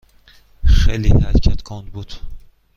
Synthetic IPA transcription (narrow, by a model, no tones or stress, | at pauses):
χelihæɾcʰæt̪kʰɑnd̪bud̪̥